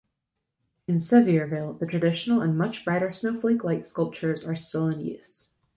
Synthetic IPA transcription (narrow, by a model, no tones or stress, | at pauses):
ɨ̃nsɛviə˞veɪlˠðɨtʰɹ̥ɨdɪʃn̩l̩ˠə̃nmʌt͡ʃb̥ɹaɪɾə˞snoʊfliklaɪtskʌlˠp̚t͡ʃə˞zə˞stɪlˠɨ̃njʉ̰s